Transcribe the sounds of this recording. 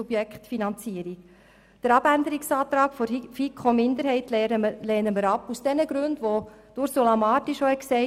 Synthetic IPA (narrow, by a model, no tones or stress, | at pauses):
ub̥jɛkχtfinɑnt͡siəɾik | d̥əɾɑb̥ænd̪əɾiksɑːt̪ɾɑːkfoɾfikʰomɪnd̪əɾhɛɪtlɛːnəməɾɑpusd̥ɛnəɡɾɵndʋo | d̥uɾsulɑmɑːtiʃohɛksɛɪ